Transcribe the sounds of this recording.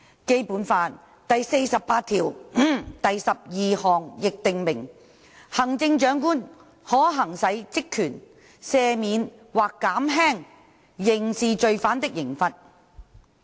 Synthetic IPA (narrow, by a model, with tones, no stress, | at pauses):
ke˥jpuː˨˥nfaː˧n | t̪ɐ˨jse˧jsɐ˨pːaː˧t̪ʰiː˨˩w̩˥t̪ɐ˨jsɐ˨p̚jiː˨hɔː˨ŋjɪ˨k̚t̪ɪ˨ŋmɪ˨˩ŋ | hɐ˨˩ŋt͡sɪ˧ŋt͡ʃœː˨˥ŋkuː˥n | hɔː˨˥ɦɐ˨˩ŋsɐ˨˥jt͡sɪ˥kʰːyː˨˩n | sɛː˧miː˨˥n | waː˨˩kːaː˨˥mɦɛː˥ŋ | jɪ˨˩ŋsiː˨t͡ʃɵ˨ɥfaː˨˥nt̪ɪ˥k̚jɪ˨˩ŋfɐ˨t̚